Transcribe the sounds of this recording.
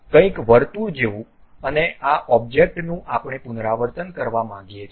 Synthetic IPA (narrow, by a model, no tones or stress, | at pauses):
kə̃ĩkʋəɾt̪uɾd͡ʒeʋũ | əneʔaʔɔb̚d͡ʒek̚ʈnũʔapɳ̃epʊnɾaʋəɾt̪ənkəɾʋamãɡijet͡ʃʰ